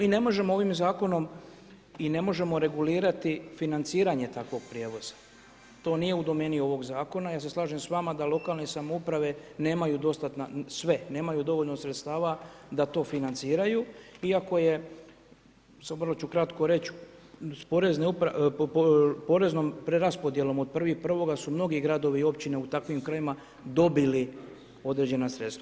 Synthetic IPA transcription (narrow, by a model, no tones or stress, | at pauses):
miːne̞mo̞ʒe̞moo̞ʋimzaːko̞no̞m | ine̞mo̞ʒe̞mo̞ɾe̞ɡuliːɾat̪ifinant̪siːɾaɲe̞t̪akʋo̞ɡ̥̚pɾje̞ːʋo̞z̥ḁ | t̪o̞ːnije̞ud̪o̞me̞ːnio̞ʋo̞ɡzaːko̞najaːs̬e̞slˠaːʒemsʋamad̪alˠo̞kaːlne̞samoupɾaʋe̞ne̞ːmajud̪o̞st̪at̪nasʋe̞ne̞ːmajud̪o̞ʋo̞ʎno̞sɾet̪st̪aːʋad̪at̪o̞ːfinant̪siːɾajuiako̞je̞ | sʋərlo̞t͡ʃukɾat̪ko̞ɾe̞t͡ɕspo̞ɾe̞zneupɾa | po̞ɾe̞znompɾeɾaspo̞d̪je̞lo̞mo̞d̪̚pr̩ʋixpr̩ʋo̞ɡasumno̞ɡiɡɾad̪o̞ʋio̞pt͡ɕine̞ut̪akʋimkɾajima | d̪o̞bili | o̞d̪ɾe̞d͡ʑe̞nasɾet̪st̪ʋa